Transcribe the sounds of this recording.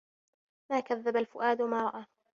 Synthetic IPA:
maːkaðːabalfʊʔaːd̪wamaːɾˤɑʔaː

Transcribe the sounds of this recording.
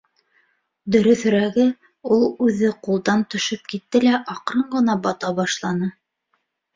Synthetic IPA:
d̪ɵ̆ɾɵ̆θɵ̆ɾæɡɘ | ulˠʉðɘqulˠd̪ɑnt̪ɵ̆ʃɘp̚kit̪ːɘlæʔɑqɾɤɴɢɤ̆nɑbɑt̪ɑbɑʃlˠɑnɤ

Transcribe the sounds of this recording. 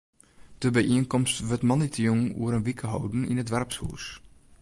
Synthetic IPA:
d̥əbəjʔiənkɔmstʋøtmɔnitʰiuŋṵəɾənʋikʰəɦɔwdn̩ḭnədʋɛrpshṵːs

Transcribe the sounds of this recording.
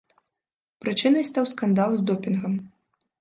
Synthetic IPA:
pɾɨt͡ʂɨnɐjst̪awskand̪alˠzd̪ɔpʲinɣɐm

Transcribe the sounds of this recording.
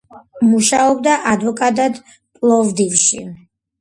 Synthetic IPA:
muʃaɔbd̪aʔad̪vɔkʼad̪ad̪ | pʼlˠɔvd̪ivʃi

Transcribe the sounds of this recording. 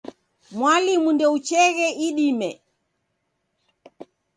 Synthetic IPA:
mwalimundɛut͡ʃɛɣɛʔiɗimɛ

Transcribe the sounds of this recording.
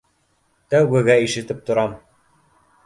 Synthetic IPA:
t̪æwɡɘ̆ɡæiʃɘ̆t̪ɘp̚t̪ŏɾɑm

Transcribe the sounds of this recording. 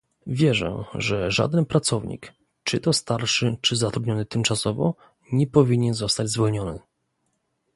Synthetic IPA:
vʲjɛʐɛ̰̃ʐɛʐa̰d̪ɛnpɾat̪sɔvɲḭk | t͡ʂɘt̪ɔst̪aɾʂɘt͡ʂɘzat̪ɾud̪ɲɔnɘt̪ɘmt͡ʂasɔvɔ̰ | ɲɛpɔvʲiɲɛnzɔst̪ad͡ʑzvɔlɲɔnɘ̰

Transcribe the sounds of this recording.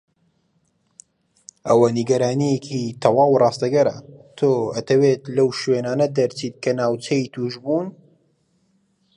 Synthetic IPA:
ʔɐwɐniɡɐɾaːnijekʰit̪ʰɐwaːwrˤɑːst̪ɐɡɐɾɐ̰t̪ʰoːɐt̪ʰɐweːt̪lɐwʃweːnaːnɐd̪ɐɾt͡sʰiːt̪̚kʰɐnaːwt͡sʰɐit̪ʰuːʒbuːn

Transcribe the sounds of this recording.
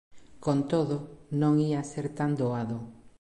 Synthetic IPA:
kont̪oðonõŋiaseɾt̪and̪oaðo

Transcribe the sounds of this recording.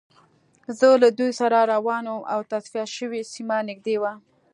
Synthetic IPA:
zəlad̪ujsaɾaɾawɑnomʔa̰wt̪asfiaʃəwesimanɪɡ̚d̪ewa

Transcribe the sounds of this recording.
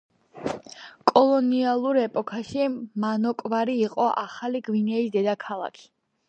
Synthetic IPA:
kʼɔlˠɔnialˠuɾɛpʼɔkʰaʃimanɔkʼvaɾiːqʼɔʔaχaliɡvinɛisd̪ɛd̪akʰalˠa̰kʰi̥

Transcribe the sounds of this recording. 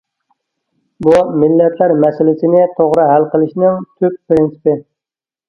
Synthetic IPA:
bumɪlːɛt̪ʰlæɾmɛsɪlɪsɪnɪt̪ʰoʁɾɨɦælqəlˠɪʃnɪŋt̪ʰypːɾɪnsɪ̥pɪ

